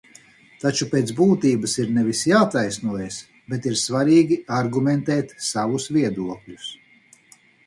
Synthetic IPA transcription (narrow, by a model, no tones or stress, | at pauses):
t̪at͡ʃupeːt̪zbuːt̪iːbɐsiɾnɛvisjaːt̪ajsnuɔjɛs | bet̪iɾsvaɾiːɡʲiaɾɡumɛnt̪ɛːt̪savusvʲiɛd̪uɔklʲus